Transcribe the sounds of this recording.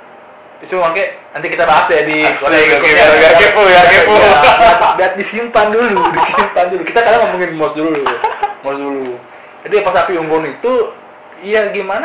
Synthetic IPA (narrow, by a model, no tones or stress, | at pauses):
it̪umakanant̪ikit̪abaɦasadiwalaakaaaaipujakiput̪diat̪̚disimpanduludisimpandulukit̪akadaŋməmuŋɪnmɔsdululmɔsdulu | d͡ʒadiapatapiuŋɡɔnit̪u | ijaɡiman